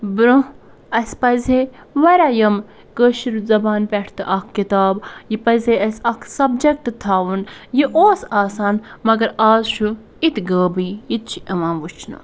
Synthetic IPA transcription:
bɾo | ɐsʲpɐzʲe | ʋɐɾʲaːjɐm | kəʃiɾzɐbaːnpʲɛʈʰt̪ɨʔɐkʰkːit̪aːbjipɐzʲeɐsʲɐkʰsɐbd͡ʒek̚ʈt̪ʰːaːʋunjiʔoːsaːsaːnmɐɡɐɾaːzʃʰu | it̪ɡəːbijit̪̚t͡ʃʰiʔɐʋãːnʋut͡ʃʰnɨ̰

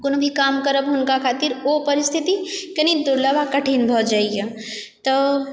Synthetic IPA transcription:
konobʱikaːmkəɾəbɦʊnkakʰaːt̪iɾopəɾɪst̪ʰit̪ikənid̪ʊɾləbakəʈʰinbʱɔd͡ʒaːijet̪ɔ

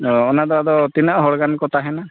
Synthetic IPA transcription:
ɔnad̪ɔad̪ɔt̪inaʔɦɔɽɡankɔt̪aɦɛna

